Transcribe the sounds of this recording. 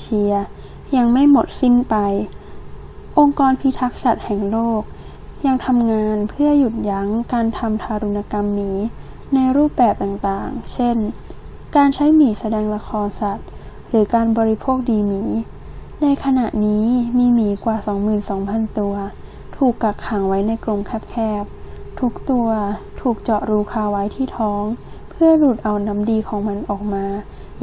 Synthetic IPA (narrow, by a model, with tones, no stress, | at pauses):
e˧t͡ɕi˧ɐ | ja˧ŋma˥˩jmo˨˩t̪̚si˥˩npa˧j | ʔo˧ŋkɔː˧npʰi˧t̪ʰa˦˥k̚sa˨˩t̪̚hɛ˨˩ŋloː˥˩k̚ | ja˧ŋt̪ʰa˧mŋaː˧npʰɯ˥˩ɐju˨˩t̪̚ja˦˥ŋkaː˧nt̪ʰa˧mt̪ʰaː˧ɾu˧na˧ka˧mːiː˩˦ | na˧jɾuː˥˩p̚bɛː˨˩p̚t̪aː˨˩ŋt̪aː˨˩ŋt͡ɕʰe˥˩n | kaː˧nt͡ɕʰa˦˥jmiː˨˩˦sa˧dɛː˧ŋla˧kʰɔː˧nsa˨˩t̪̚ | ɾɯː˩˦kaː˧nbɔː˧ɾi˧pʰoː˥˩k̚diː˧miː˩˦ | na˧jkʰa˧na̰˨˩ʔniː˦˥miː˧miː˩˦kwaː˨˩sɔː˩˦ŋmɯː˨˩nsɔː˩˦ŋpʰa˧nt̪u˧ɐ | t̪ʰuː˨˩kːa˨˩kʰːa˩˦ŋwa˦˥jna˧jkɾo˧ŋkʰɛː˥˩p̚kʰɛː˥˩p̚t̪ʰuː˧˩k̚t̪u˧ɐt̪ʰuː˨˩k̚t͡ɕɔ˨˩ɾuː˧kʰaː˧wa˦˥jt̪ʰiː˥˩t̪ʰɔː˦˥ŋ | pʰɯ˥˩ɐluː˨˩t̪̚ʔa˨˧wna˦˥mdiː˧kʰɔː˩˦ŋma˧nʔɔː˨˩k̚maː˧